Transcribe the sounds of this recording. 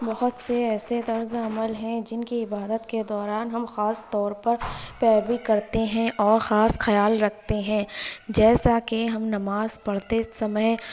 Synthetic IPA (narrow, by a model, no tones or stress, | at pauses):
bɐɦʊt̪seɛːset̪ɐɾzɐməlɦɛ̃d͡ʒɪnkiɪbaːd̪ət̪ked̪ɔːɾaːnɦɐmxaːst̪ɔːɾpɐɾpɛːɾbikɐɾt̪eɦɛ̃ʔɔːɾxaːsxɐjaːlɾɐk̚ʰt̪eɦɛ̃ːd͡ʒɛːsakeɦɐmnɐmaːzpɐɽt̪esɐməj